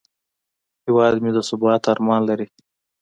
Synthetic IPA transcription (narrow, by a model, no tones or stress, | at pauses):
hɪwɑd̪mid̪əsʊbɑt̪aɾmɑnlaɾi